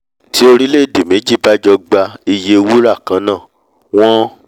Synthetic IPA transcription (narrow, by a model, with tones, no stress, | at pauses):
ti˨˦o˧ɾi˦le˦˨de˨mẽ˨˦d͡ʒi˦˨ba˦d͡ʒɔ˧ɡ͡ba˧i˧je˧wu˦ɾa˦˨kã˨˦nãː˦˨ | w̃ɔ̃˦